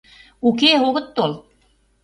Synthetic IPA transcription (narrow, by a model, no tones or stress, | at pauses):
ukeoɣət̪ːolt̪̚